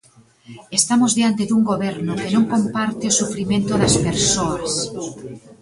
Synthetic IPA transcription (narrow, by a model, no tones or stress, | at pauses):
est̪amozðeant̪eðuŋɡoβɛeɾnokenõŋkompaɾt̪eosufɾimẽnt̪oðɐspeɾsoas